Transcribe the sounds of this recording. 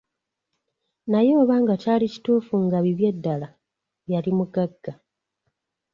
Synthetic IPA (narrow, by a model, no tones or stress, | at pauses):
najo̞ːβaːŋɡacaːlici̥tuːfuŋɡaβiβje̞dːala | βjalimuɡaɡːa